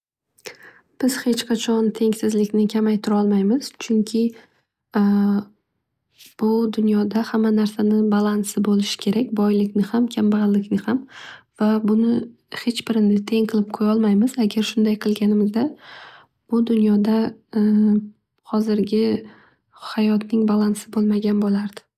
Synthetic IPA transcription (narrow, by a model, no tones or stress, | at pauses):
b̥ɪz̥he̞t͡ʃqʰɑt͡ʃʰɒnt̪ʰe̞ŋsɪzlɪkʲnɪkʲʰamajt̪ʰʊɾɒlˠmajmɪz̥t͡ʃʰʊŋkʲʰɪ | b̥ʊd̪ʊnjɒd̪ahamːanaɾsanɪbalˠansɪbolɪʃɪ̥kʲʰe̞ɾakʲbɒjlɪkʲnɪhamkʲʰambaʁlːɪkʲnɪhamv̥abʊnɪ | he̞t͡ʃbɪɾnɪt̪ʰe̞ŋqʰɨlˠɪp̚qʰojɒlˠmajmɪz̥aɡʲaɾʃʊnd̪ajqʰɨlˠɡʲanɪmɪzd̪a | b̥ʊd̪ʊnjɒd̪a | hɒzɪɾɡʲɪ | hajɒt̪nɪŋbalˠansɪbolˠmaɡʲanbolaɾd̪̥ɪ̥